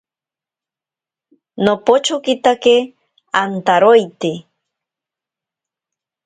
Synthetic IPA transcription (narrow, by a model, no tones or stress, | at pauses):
nopot͡ʃokit̪ake | ant̪aɾojt̪e